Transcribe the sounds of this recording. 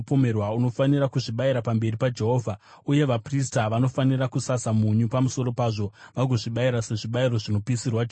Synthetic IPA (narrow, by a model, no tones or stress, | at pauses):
pomerwauno̞fanirakuʐiɓaiɾapambe̞ripad͡ʒe̞ɦo̞ːvʱa | uje̞ʋapristaʋano̞fanirakusasamuɲupamuso̞ɾo̞paːʐo̞ʋaɡʱoʐiɓaiɾase̞ʐiɓairo̞ʐino̞piːsirwad͡ʒ